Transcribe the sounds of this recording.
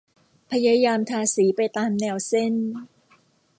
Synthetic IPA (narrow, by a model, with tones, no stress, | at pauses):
pʰa˧jaː˧jaː˧mt̪ʰaː˧siː˩˦pa˧jt̪aː˧mnɛː˧˩wse˥˩n